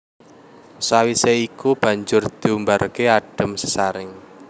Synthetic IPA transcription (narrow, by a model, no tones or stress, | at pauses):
sawiseikub̥ä̤ɲd͡ʒʊrd̪̥i̤umbaɾkeaɖ̥ə̤msə̥saɾɪŋ